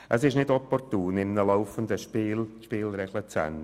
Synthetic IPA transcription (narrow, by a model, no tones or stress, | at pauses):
ʔəsɪʃnɪdɔpɔrtuːnɪmnəlaʊfənd̪əʃpilʃpiːlɾɛɡlət͡sɛ̰n